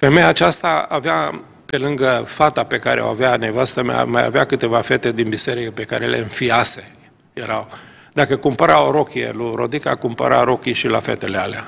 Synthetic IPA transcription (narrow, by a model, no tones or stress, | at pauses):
fe̞mejaːt͡ʃast̪aavea | pe̞lɨŋɡəfat̪ape̞kaɾḛa̰wa̰veane̞vast̪əma̰maja̰veakɨt̪e̞vafe̞t̪e̞d̪inbise̞ɾikəpe̞kaɾelḛɨnfiase̞ | je̞ɾaw | d̪akəkumpəɾawɾo̞kʲiḛluɾo̞d̪ika̰kumpə̰ɾa̰ɾo̞kʲiʃila̰fḛt̪e̞lealea